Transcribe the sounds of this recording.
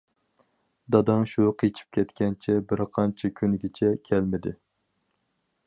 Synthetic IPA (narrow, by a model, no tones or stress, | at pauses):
d̪ɑd̪ɨŋʃuqʰet͡ʃʰi̥p̚kʲʰɛt̪kʲɛnt͡ʃʰɛbɪɾqʰɑnt͡ʃʰɛkʲʰynɡʲɪt͡ʃʰɛkʲʰɛlmɪd̪ɪ